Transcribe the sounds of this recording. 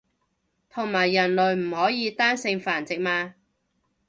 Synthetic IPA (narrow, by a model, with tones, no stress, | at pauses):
t̪ʰʊ˨˩ŋmaː˨˩jːɐ˨˩nlɵ˨˩ɥm̩˨˩hɔː˨˥jiː˨˧t̪aː˥nsɪ˧ŋfaː˨˩nt͡sɪ˨k̚maː˧